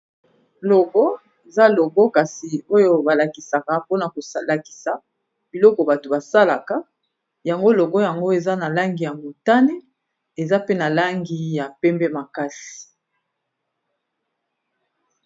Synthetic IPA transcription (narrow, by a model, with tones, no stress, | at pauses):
lɔ˨ɡɔ˦ | e˨za˦lo˨ɡɔ˦ka˨si˨o˦jo˦ba˨la˨ki˨sa˨ka˨po˦na˨ko˨sa˨la˨ki̥˨sa˨ | b̥i˨lɔ˦kɔ˨ba˨to˨ba˨sa˦la˨ka˦ | ja˨ŋɡo˦lo˨ɡɔ˦ja˨ŋɡo˦e˨za˦na˨la˦ŋɡi˨ja˨mu˨ta˦ne˦ | e˨za˦pe˦na˨la˦ŋɡi˦ja˨pɛ˦mbɛ˦ma˨ka˦si̥˨